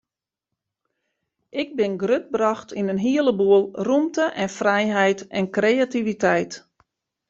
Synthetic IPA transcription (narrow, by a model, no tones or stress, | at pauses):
ʔɪɡ̚bɪnɡrøt̚brɑxtʰinənɦiələbuəlˠrumtəʔɛnfrɛjɦɛjtɛnkrejativitɛjt